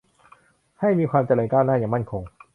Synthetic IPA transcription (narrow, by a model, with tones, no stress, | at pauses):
ha˥˩jmiː˧kʰwaː˧mt͡ɕa˧la˧jkaː˥˩wnaː˥˩jaː˨˩ma˥˩nkʰo˧ŋ